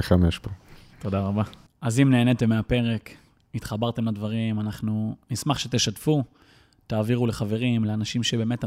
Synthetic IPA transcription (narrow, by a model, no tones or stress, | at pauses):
eχamjeʃpoto̞daʁaba | azimneːne̞t̪emːeape̞ʁe̞k | it̪χabaʁte̞mlad̪vaʁimanaχnunismaχʃet̪eʃat̪fu | t̪aːviʁule̞χave̞ʁimleanaʃimʃebe̞ːmet